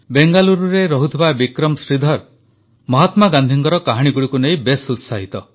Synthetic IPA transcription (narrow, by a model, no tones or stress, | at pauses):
beŋɡaluɾuɾeɾɔɦut̪ʰibabikɾɔmsɾid̪ʱɔɾ | mɔɦɔt̪maɡand̪ʱiŋkɔɾɔkaɦaɽ̃iɡuɽikunejbesut̪saɦit̪ɔ